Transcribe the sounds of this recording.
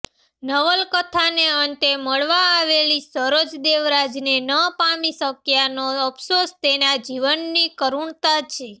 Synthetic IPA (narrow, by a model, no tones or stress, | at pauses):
nəʋəlkət̪ʰaneənt̪eməɭʋaːʋelisəɾod͡ʒd̪eʋɾad͡ʒnenəpamisəkjanoəpʰsost̪enad͡ʒiʋənːikəɾuɳt̪at͡ʃʰe